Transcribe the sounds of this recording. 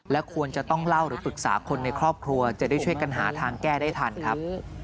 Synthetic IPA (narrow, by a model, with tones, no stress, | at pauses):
lɛ˦˥kʰu˧ənt͡ɕa˨˩t̪ɔ˥˩ŋla˥˩wɾɯː˩˦pɯ˨˩k̚sa̰ː˩˦kʰo˧nːa˧jkʰɾɔː˥˩p̚kʰɾu˧ɐt͡ɕa˨˩daː˥˩jt͡ɕʰu˥˩əjka˧nɦa̰ː˩˦t̪ʰaː˧ŋkɛː˥˩daː˥˩jt̪ʰa˧nkʰɾa˦˥p̚